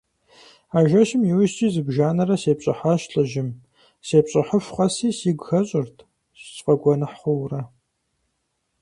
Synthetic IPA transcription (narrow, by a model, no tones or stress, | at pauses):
aːʒɐʃɪmjiwʊʃtʼiːzɨbʒaːnɐrɐseːpɕʼɪħaʃɬʼɐʒɪm | seːpɕʼɪħəɕʷχɐsiːsiːɡʷxɐɕʼɪrtʰ | sɕʼqʼɐɡʷɔnɨħχʷʊwrɐ